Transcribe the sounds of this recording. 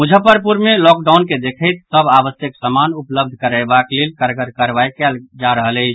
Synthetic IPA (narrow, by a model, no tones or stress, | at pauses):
mud͡ʒʱəpəɾpuɾmelɔkɖawnked̪ekʰəjt̪səbabəsjəksəmanupləb̚d̪ʱkəɾajbaklelkəɾɡəɾkəɾbajkɛld͡ʒaɾəɦələɪt͡ʃʰ